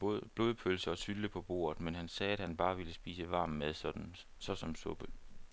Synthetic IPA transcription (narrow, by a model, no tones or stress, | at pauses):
b̥lo̝ːðˠpʰølsəɒ̽sʰyləpʰɒ̽b̥o̝̰ːɐð̩ˠmenɦænsɛːæd̥hænb̥ɑ̈ːʋiləsb̥ḭːsəʋɑ̈ːm̩með̞ˠsɒd̥n̩ | sɒ̽sɒ̽msɔ̽b̥ə